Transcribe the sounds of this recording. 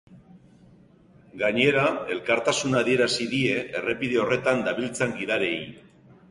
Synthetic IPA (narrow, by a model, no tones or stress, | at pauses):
ɡaɲe̞ɾae̞lkaɾt̪asunaðie̞ɾasiðie̞ʔere̞piðe̞o̞re̞t̪and̪aβilt͡seŋɡiðaɾe̞j